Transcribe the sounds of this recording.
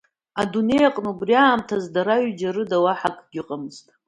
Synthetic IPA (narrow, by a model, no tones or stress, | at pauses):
adune̞jaqʼnubriaːmtʰazdaɾaɥd͡ʒaɾɨdawaħakʼɡʲɪqʼamɨztʼ